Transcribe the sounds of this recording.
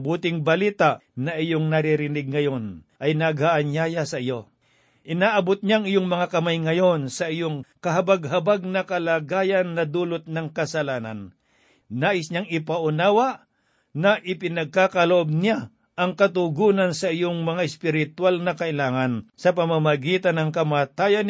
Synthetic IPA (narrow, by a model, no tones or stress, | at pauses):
buːt̪ɪŋbɐliːt̪aʔnɐʔɪjoŋnɐɾiɾɪnɪɡ̚ŋɐjo̞nʔɐjnaɡhaʔanjajasɐɪjo | ʔɪnaːʔɐbʊt̪̚ɲaŋɪjoŋmɐŋakɐmajŋɐjonsɐʔɪjoŋkɐɦɐbaɡ̚ɦɐbaɡ̚nɐkɐlaːɡaːjanːɐd̪uːlʊt̪̚nɐŋkɐsɐlaːna̰nː | aːʔɪsɲaŋɪpaʔʊnaːwaʔ | nɐʔɪpɪnɐɡ̚kaːkɐloʔob̚nɪja | ʔɐŋkɐt̪̬ʊɡuːnansɐɪjoŋmɐŋaɪspɪɾɪt̪walŋɐkɐʔɪlaːŋɐnsɐpɐmamɐɡiːt̪anɐŋkɐmaːt̪aːjan